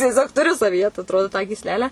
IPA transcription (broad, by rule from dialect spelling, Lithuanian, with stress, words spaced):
tʲiɛˈsʲoːk tʊˈrʲʊ sɐʋʲiːˈjɛ tɐ ɐtˈroːdoː tɑː ɡʲiːsʲˈlʲæːlʲæː